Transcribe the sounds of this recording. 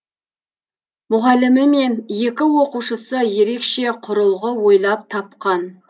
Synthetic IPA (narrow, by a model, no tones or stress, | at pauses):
mʊʁɑlɪmɪme̞nje̞kʲɪwo̞quʃəsəje̞ɾe̞kʃe̞qʰʊɾəlˠʁəwo̞jlˠɑp̚t̪ʰɑpqɑn